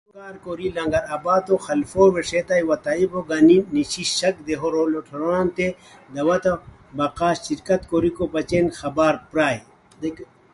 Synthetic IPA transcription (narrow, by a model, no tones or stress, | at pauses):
kaːɾkoːɾilɐŋɡɐɾɐbaːt̪oxɐlfoːweʂet̪ajwɐt̪aiboɡɐniniɕiɕɐk̚d̪eɦoɾoloʈʰɐɾaːnt̪e | d̪ɐwɐt̪ɐ | bɐqaːɕiɾkɐt̪koːɾikopɐt͡ʃenxɐbaːɾpɾaːj | d̪ek